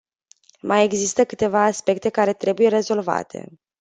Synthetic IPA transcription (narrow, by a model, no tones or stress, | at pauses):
mʔaje̞ɡzist̪əkɨt̪e̞vaːspe̞k̚t̪e̞kaɾe̞t̪ɾe̞buje̞ɾe̞zo̞lva̰t̪ʰe̞̰